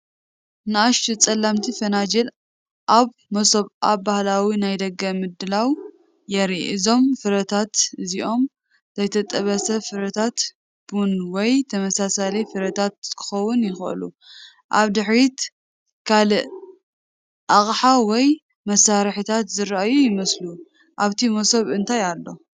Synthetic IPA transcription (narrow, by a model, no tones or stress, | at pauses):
nɨaʃtut͡sʼɐlːamt̪ʰifɐnad͡ʒel | ʔaβ | mɐsoβʔa̰bahlawinajd̪ɐɡɐmɨd̪ɨlaw | jɛɾiɨzo̞mfɨɾɐt̪ʰat̪ɨziʔo̞m | z̥ɐjt̪ʰɐt̪ʼɐβɐsɐfɨɾɐt̪ʰat̪ | b̥unwɔjt̪ʰɐmɐsasalɐjfɨɾɐt̪ʰat̪̚kʰɨ̥xɐwːʊnjɪxʔlu | ʔaβd̪ɨħɾit̪ | kʰalɨʔ | ʔaχʼħawɔj | mɐsːaɾħit̪ʰat̪zɨɾaʔajujɪmɐslu | ʔaβt̪ʰimosoβɨnt̪ʰajalːo̞